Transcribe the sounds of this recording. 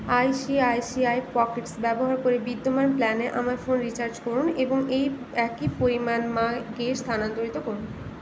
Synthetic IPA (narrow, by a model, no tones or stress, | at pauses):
ajʃiajsiajpɔkeʈsbɛboɦaɾkoɾebid̪ːomanplɛneʔamaɾfonɾit͡ɕaɾd͡ʑkoɾuneboŋej | ɛkipoɾimanmaɡest̪ʰanant̪oɾit̪okoɾun